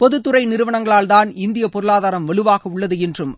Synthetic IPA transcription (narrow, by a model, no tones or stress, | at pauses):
pɔðɯt̪ːɯɾɐɪnɪɾɯʋɐɳɐŋɡɐɭaːlt̪aːnɪnd̪ɪjɐpɔɾɯɭaːðaːɾɐmʋɐɭɯʋaːɣɐʊɭːɐðɯɛndrɯm